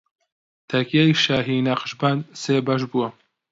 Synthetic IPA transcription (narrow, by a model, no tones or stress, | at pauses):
t̪ʰɐkjajʃaːɦinaqʃbanseːbɐʃ̬buwɐ